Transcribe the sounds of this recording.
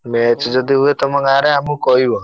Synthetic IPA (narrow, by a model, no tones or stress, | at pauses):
met͡ʃd͡ʒɔd̪iɦuet̪ɔmɔŋaɾeamũkɔɦibɔ